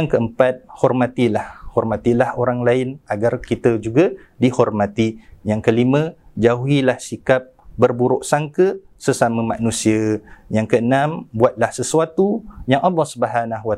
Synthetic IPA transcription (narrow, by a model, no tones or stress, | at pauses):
jaŋkəəmpat̪̚hɔrmat̪ilahhɔrmat̪ilahoɾaŋlaɪnaɡarkit̪əd͡ʒuɡa | dihɔrmat̪ijaŋkəlimə̃d͡ʒauɦilahsikap̚bərbuɾʊʔsaŋkə | səsamə̃maʔnũsiəjaŋkəənãmbuat̪̚lahsəsuat̪ujaŋalːɔsəbaɦanaɦwa